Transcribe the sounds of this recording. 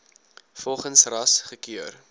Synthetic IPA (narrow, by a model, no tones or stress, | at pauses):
fɔlˠχənsrɐsχəkiər